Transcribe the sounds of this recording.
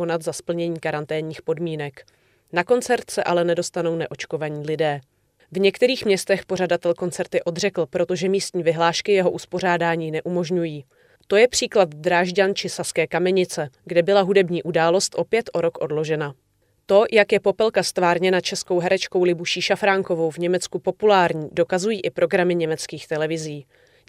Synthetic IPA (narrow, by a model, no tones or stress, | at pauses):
onat̪zaspl̩ɲɛɲiːkaɾant̪ɛːɲɲiːxpo̞dmiːnɛk | nako̞nt͡sɛɾt̪sɛʔalɛnɛdo̞st̪ano̞wnɛʔo̞t͡ʃko̞vaɲiːlɪdɛː | vɲɛkt̪ɛɾiːxmɲɛst̪ɛxpo̞r̝adat̪ɛlko̞nt͡sɛɾt̪ɪʔo̞d̪rɛkl̩pɾo̞t̪o̞ʒɛmiːst̪ɲiːvɪɦlaːʃkɪjɛɦo̞ʔuspo̞r̝aːdaːɲiːnɛʔumo̞ʒɲujiː | t̪o̞jɛpr̝̥iːklat̪d̪ɾaːʒɟant͡ʃɪsaskɛːkamɛɲɪt͡sɛɡdɛbɪlaɦudɛbɲiːʔudaːlo̞st̪ʔo̞pjɛt̪ʔo̞ɾo̞kʔo̞dlo̞ʒɛna | t̪o̞jakjɛpo̞pɛlkast̪vaːɾɲɛnat͡ʃɛsko̞wɦɛɾɛt͡ʃko̞wlɪbuʃiːʃafɾaŋko̞vo̞wvɲɛmɛt͡skupo̞pulaːɾɲiːdo̞kazujiːʔɪpɾo̞ɡɾamɪɲɛmɛt͡skiːxt̪ɛlɛvɪziː